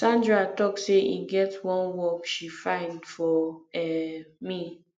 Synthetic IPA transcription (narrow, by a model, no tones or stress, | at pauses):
sãndɹatɔkseʔiɡɛtwɔ̃nwɔkʃifãɪ̃ndfɔɛmi